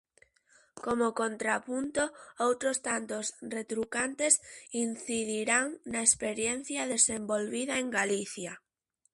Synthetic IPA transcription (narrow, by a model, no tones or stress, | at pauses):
komokont̪ɾapunt̪oowt̪ɾost̪ant̪osret̪ɾukant̪esin̟θiðiɾaŋnaespeɾjen̟θjaðesembolβiðɐeŋɡaliθja